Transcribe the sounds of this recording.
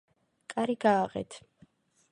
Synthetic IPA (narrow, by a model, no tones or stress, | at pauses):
kʼaɾiɡaːʁɛ̰t̪ʰ